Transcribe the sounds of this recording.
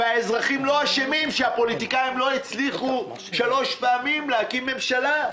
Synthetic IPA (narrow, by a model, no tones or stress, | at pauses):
aezʁaχimlo̞aʃemimʃeapo̞lit̪ikaimlo̞et͡sliχu | ʃalo̞ʃpeamimlehakimːe̞mʃala